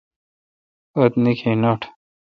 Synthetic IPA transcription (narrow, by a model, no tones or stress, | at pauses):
ot̪nikʰenoʈʰ